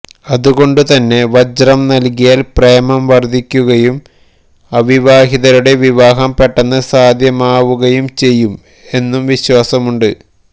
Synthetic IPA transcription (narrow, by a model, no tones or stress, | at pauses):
ɐðuɣo̞ɳɖɨt̪ɐnːe̞ʋɐd͡ʑrɐmnɐlkijaːlprejɐmɐmʋɐrd̪ʱikʲːuɣɐjum | ɐʋiʋaːɦiðɐɾuɽe̞ʋiʋaːɦɐmpeʈːɐnːɨsaːd̪ʱjɐmaːʋuɣɐjumt͡ɕe̞jːum | e̞nːumʋiɕwaːsɐmuɳɖɨ